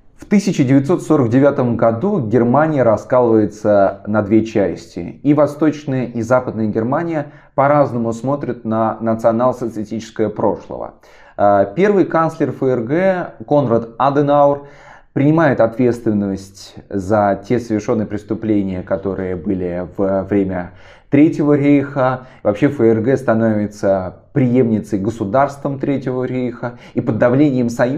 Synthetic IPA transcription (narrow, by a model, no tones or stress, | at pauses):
ft̪ɨsʲɪt͡ɕɪdʲɪvʲɪt̪so̞t̪so̞ɾəɡdʲɪvʲat̪əmɡɐd̪uɡʲɪrmanʲɪjəɾɐskalˠəvəjɪt̪sənɐd̪vʲet͡ɕæsʲtʲɪ̰ivɐst̪o̞t͡ɕnəjəʔizapəd̪̚nəjəɡʲɪrmanʲɪjə | pɐɾaznəmʊsmo̞t̪ɾʲɪt̪̚nənət̪sɨɐnalˠsət̪sɨtʲit͡ɕɪ̥skəjəpɾo̞̰ʂlˠə̰və̰ | əpʲe̞rvɨjkanslʲɪrfəɛrɡɛko̞nrət̪ad̪ənaʊr | pɾʲɪnʲɪmajɪt̪ɐt̪vʲe̞t̪st̪vʲɪnːəsʲtʲzɐtʲesəvʲɪrʂo̞nːəjəpɾʲɪst̪ʊplʲenʲɪjəkɐt̪o̞ɾɨjəbɨlʲɪv̥əvɾʲemʲə | t̪ɾʲetʲɪvəɾʲejxə | vɐpɕefəɛrɡɛst̪ɐnovʲɪt̪sə | pɾʲɪjemnʲɪt̪səjɡəsʊd̪arst̪vəmt̪ɾʲetʲɪvəɾʲejxə | ipəd̪ːɐvlʲenʲɪjəmsɐj